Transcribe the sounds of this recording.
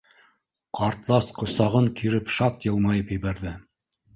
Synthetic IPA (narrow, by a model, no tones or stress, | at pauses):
qʰɑɾt̪lˠɑsqŏsɑʁɤŋkiɾɘpʃɑp̚jɤ̆lˠmɑjɤpjɘ̆βæɾðɘ